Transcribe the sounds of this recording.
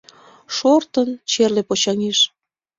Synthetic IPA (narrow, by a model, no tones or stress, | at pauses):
ʃort̪ənt͡ɕerlepot͡ɕɑŋeʃ